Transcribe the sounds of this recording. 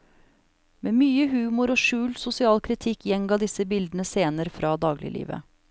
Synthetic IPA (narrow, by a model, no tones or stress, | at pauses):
meːmyːəɦʉːmʊɾoːʃʉːlsʊsɪɑːlkʰɾɪt̪ʰɪkːjɛŋɡɑːd̪ɪsəbɪld̪ənəseːnəɾəfɾɑːd̪ɑːɡlɪ̰lḭːʋə̰